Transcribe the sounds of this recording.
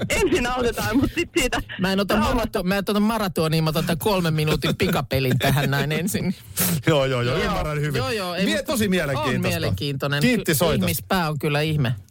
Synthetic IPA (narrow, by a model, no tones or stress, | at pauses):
ensinɑut̪et̪ɑːmmut̪sit̪siːt̪æmæenot̪ɑmmɑrɑt̪umæˑnot̪ːot̪ɑmmɑrɑt̪oːniːmot̪ɑt̪ːækolmemminuːt̪impikɑpelint̪æɦænnæinensinːi | joːjoːjoymːærɑnhyʋijoːjoːeemiet̪osimiæleŋkiːnmieleŋkiːnt̪onenkiːisoith̪mispæːoŋkylːæihme